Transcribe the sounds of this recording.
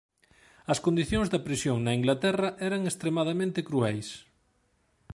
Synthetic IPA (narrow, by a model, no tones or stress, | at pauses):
ɐskond̪iθjoŋzðɐpɾisjoŋnɐiŋɡlat̪ɛrɐʔɛɾɐŋest̪ɾemaðamẽnt̪ekɾuɛjs